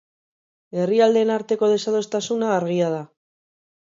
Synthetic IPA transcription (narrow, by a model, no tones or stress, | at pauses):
e̞riald̪e̞naɾt̪e̞ko̞ð̞e̞saðo̞st̪asunaːɾɣiað̞a